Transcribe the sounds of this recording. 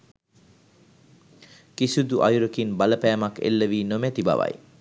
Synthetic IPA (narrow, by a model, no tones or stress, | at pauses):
kisud̪uʔajuɾəkinbaləpæːmakḛlːəʋiːnomæt̪iba̰ʋa̰j